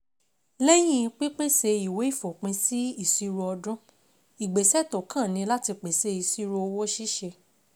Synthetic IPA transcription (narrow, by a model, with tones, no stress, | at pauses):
lɛ˦j̃ĩ˦˨˧k͡pi˦k͡pe˦˨se˧i˨we˨˦i˦˨fo˨k͡pĩ˧si˦i˦˨si˧ɾo˧ɔ˧dɾũ˦ | i˨ɡ͡be˨sɛ˦˨to˨kã˦˨nĩ˧la˦ti˧k͡pe˨se˧˦i˨si˦ɾo˧o˧wo˦ʃi˦ʃe˧